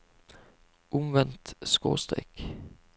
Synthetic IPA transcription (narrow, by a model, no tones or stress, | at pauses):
ʔɔmʋɛnt̪sko̰ːst̪ʁɛ̰k